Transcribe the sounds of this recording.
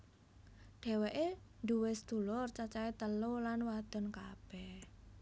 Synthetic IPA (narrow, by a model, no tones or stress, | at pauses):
ɖ̪̥ɛ̤weʔend̪uwesd̪̥ṳlɔrt͡ʃat͡ʃaet̪əlolanwad̪̥ɔ̤nka̰b̥ɛh